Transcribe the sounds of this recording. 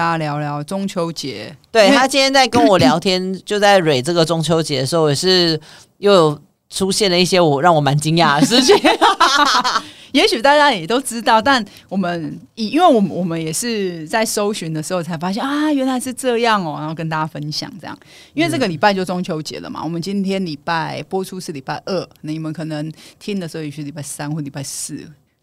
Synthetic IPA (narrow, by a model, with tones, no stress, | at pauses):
a˧ljɑ˧˥ʊljɑ˧˦ʊʈ͡ʂʊ˥ŋt͡ɕʰjo˧˥ʊt͡ɕjɛ˧˥˦t̪we˥˩ɪt̪ʰa˦t͡ɕi˥nʰjɛ˥nt͡sa˥˩ɪkə˦nwɔ˨˩˦ljɑ˨˥˦ŋt̪ʰjɛ˦˥nt͡ɕjo˥˧t͡sa˥˩ɪɻwe˨˩ɪʈ͡ʂə˥˩ɡə˩ʈ͡ʂʊ˦ŋt͡ɕʰjo˧˥ʊt͡ɕjɛ˨˧˥d̪ə˩ʂɻ̩˧xo˥˧˩jɛ˨˩ʂɻ̩˥˧ | jo˥˩ʊjo˨˩ʊ | ʈ͡ʂʰu˦˥ɕjɛ˥˨nlə˩i˥˩ɕjɛ˥wɔ˨˩ɻɑ˥˩ŋwɔ˨˩ma˧˦nt͡ɕi˦ŋja˥˩ʂ̩˥˧˥ | jɛ˧˥ɕy˨˩t̪a˥˧t͡ɕja˥jɛ˨˩t̪o˥ʊʈ͡ʂɻ̩˦˥t̪ɑ˥˧ʊt̪a˥˩n | wɔ˨˩mə˦ni˨˩i˥nwe˥˩ɪwɔ˨˩mənwɔ˨˩mə˦njɛ˨˩ʂɻ̩˥˧t͡sa˥˩ɪʂo˥ʊɕy˧˦nd̪ə˨ʂɻ̩˧˥xo˥˩ʊt͡sʰa˧˥ɪfa˥ɕ̬ɛ˥˨na˥ɥɛ˧˥nla˧ɪʂ̬ɻ̩˥˧ʈ͡ʂɤ˥˧jɑ˥˨ŋɔ˨˩na˨˧˦ho˥˧ʊkə˥nt̪a˥˩t͡ɕa˧fə˦nɕjɑ̰˨˩ŋʈ͡ʂɤ˥˧jɑ̰˨˩ŋi˥nwe˥˧ɪʈ͡ʂɤ˥˩ɡə˩li˨˩pa˥˧ɪt͡ɕjo˥˩ʊt͡so˥ŋt͡ɕʰjo˧˥ʊt͡ɕjɛ̰˨˩˦lə̰˨mʔa̰˨wɔ˨˩mə˦nt͡ɕi˦nt̪ʰjɛ˥nli˨˩pa˥˩ɪpwɔ˥ʈ͡ʂʰu˦ʂɻ̩˥˩li˨˩pa˥˧ɪʔə˥˩nə˨˩ni˨˩mə˧˦nkʰɤ˨˩nə˧˦ŋt̪ʰi˥ŋd̪ə˨˩sɻ̩ʰ˧˥˧li˨˩pa˥˩ɪsa˥nxwɔ˥˩li˨˩pa˥˧ɪsɹ̩˥˩